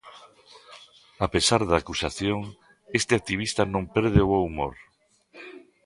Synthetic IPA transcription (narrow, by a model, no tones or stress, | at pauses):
apesaɾðakusaθjoŋ | est̪ɪak̚t̪iβ̞ist̪anõmpɛɾðeooumo̰ɾ